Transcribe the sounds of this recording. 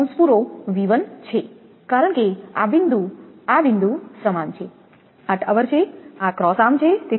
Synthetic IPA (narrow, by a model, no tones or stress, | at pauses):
ə̃nspuɾoʋiʋənt͡ʃʰe | kaɾəɳ̃kea̰bind̪ʱuabind̪ʱusɾəmant͡ʃʰe | əʈʰəʋəɾt͡ʃʰeakɾɔsamt͡ʃʰet̪e